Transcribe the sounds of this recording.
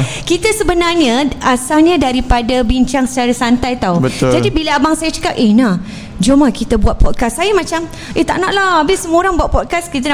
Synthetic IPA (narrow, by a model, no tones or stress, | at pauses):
kit̪əsəbənarɲəasalɲədaɾipadabiɲt͡ʃaŋsə̥t͡ʃaɾasant̪ajt̪awbət̪d͡ʒadibiləabaŋsajat͡ʃə̥kap̚ʔehna | d͡ʒumakit̪əbuat̪̚pɔt̪̚kasːajamãt͡ʃam | ʔet̪a̰ʔnaʔlahabɪsəmoɾaŋbuat̪̚pɔt̪̚kaskit̪̬an